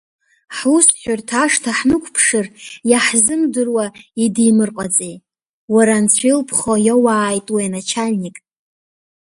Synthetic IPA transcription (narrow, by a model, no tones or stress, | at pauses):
ħusħʷᶣartʰaʂtʰaħnɨkʷʰpʰʂɨrjaħzɨmdɨrwaidijmɨrqʼat͡sʼej | waɾant͡sʷʰilpʰχojawaːjtʼwajanat͡ʃʰalʲnikʼ